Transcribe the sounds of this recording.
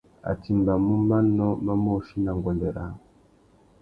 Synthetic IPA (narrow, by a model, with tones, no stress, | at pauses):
a̰˨ti˨mba˨mu˦ma˦nɔ˦ma˦mo˦˨ʃi˦na˨ŋɡɔ˨nde˨ɾa˨˦˨